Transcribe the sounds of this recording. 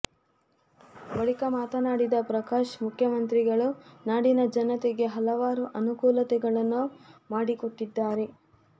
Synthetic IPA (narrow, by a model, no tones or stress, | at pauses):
bɐɭikɐmaːt̪ɐnaːɽid̪ɐpɾɐkaːʃmukʰjɐmɐnt̪ɾiɡɐɭunaːɽinɐd͡ʒɐnɐt̪ɛɡe̞ɦɐlɐʋaːɾuʔɐnukuːlɐt̪ɛɡɐɭɐnːumaːɽikoʈːid̪ːaːɾe̞